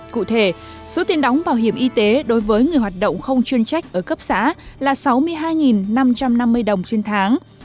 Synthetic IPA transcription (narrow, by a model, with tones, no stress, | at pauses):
kṵ˧˨t̪ʰe˧˩ | so˨˦t̪i˧ənɗɔ˨˦wŋ͡mɓaː˧˩wɦi˧˩əmʔi˧t̪e˨˦ɗo˨˦jvəː˨˦jŋɨ˨˩əjɦwaː˨˩t̚ɗə̰˧˨wŋ͡mxə˧wŋ͡mt͡ɕwi˧ənt͡ɕa˦˥jk̟̚ʔəː˧˩kə˦˥p̚sa̰ː˧˥laː˨˩sa˨˦wmɨ˧əjɦaː˧jŋi˨˩nːa˧mt͡ɕa˧mna˧mːɨ˧əjɗə˨˩wŋ͡mt͡ɕe˧nt̪ʰaː˨˦ŋ